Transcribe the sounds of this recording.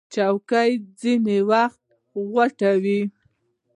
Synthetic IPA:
t͡ʃawkajd͡zinewaxt̪̚ | ɣwaʈawi

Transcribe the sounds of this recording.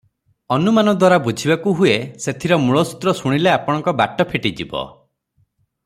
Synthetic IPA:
ɔnumanɔd̪waɾabud͡ʒʱibakuɦueset̪ʰiɾɔmuɭɔsu̥t̪ɾɔsuɽ̃ileapɔɽ̃ɔ̃ŋkɔba̰ʈɔpʰiʈid͡ʒibɔ̰

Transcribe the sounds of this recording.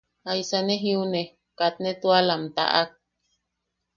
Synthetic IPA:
ajsaneɦiune | kat̪̚net̪ualamt̪a̰ʔak̚

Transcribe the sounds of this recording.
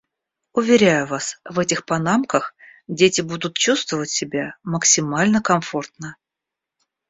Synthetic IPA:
ʊvʲɪɾʲæjʊvasvɛtʲɪxpɐnamkəxdʲetʲɪbud̪ʊt̪̚t͡ɕust̪vəvətʲsʲɪbʲaməksʲɪmalʲnəkɐmfo̞rt̪nə

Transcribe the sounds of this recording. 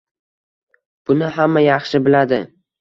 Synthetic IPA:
b̥ʊnɪɦamːajɑχʃɪbɪlad̪ɪ

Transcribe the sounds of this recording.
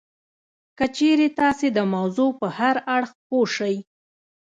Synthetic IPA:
kət͡ʃeɾet̪ɑsed̪əmawzopəhaɾaɽxpoʃəj

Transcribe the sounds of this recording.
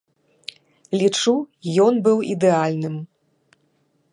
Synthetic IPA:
lʲit͡ʂujɔnbɨwḭd̪ɛalʲnɨm

